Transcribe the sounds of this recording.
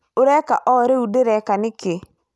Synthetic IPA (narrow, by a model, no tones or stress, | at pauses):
uɾɛkaʔɔɾeudeɾɛkanɪke